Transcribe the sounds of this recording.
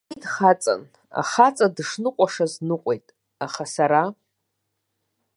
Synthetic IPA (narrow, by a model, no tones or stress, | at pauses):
dχat͡sʼa̰n | a̰χat͡sʼadʂnɨqʷʼaʂaznɨqʷʼe̞jtʼ | aχasaɾa